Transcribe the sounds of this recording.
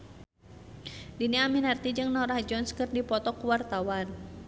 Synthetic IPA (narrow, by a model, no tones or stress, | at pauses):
diniaminart̪id͡ʒɨŋnɔɾahd͡ʒɔnskɨrdipɔt̪ɔkuwart̪awan